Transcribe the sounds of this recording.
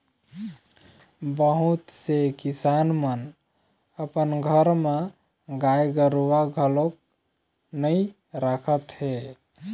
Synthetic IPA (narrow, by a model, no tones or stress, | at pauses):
bəɦut̪sekisanmən | əpənɡʱəɾme | ɡajɡəɾʋaɡʱəlok̚ | nəj | ɾakʰət̪ɦe